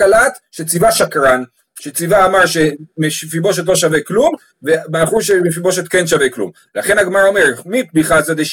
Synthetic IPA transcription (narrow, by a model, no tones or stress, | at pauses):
alat̪ʃet͡sivaʃakʁan | ʃet͡sivaːmaʁʃemeʃfibo̞ʃ̬et̪lo̞ʃaveklum | vemaχuʃemefibo̞ʃ̬et̪̚kenʃaveklṵm | laχe̞naɡmaʁomeʁmit̪̚biχazad̪eʃ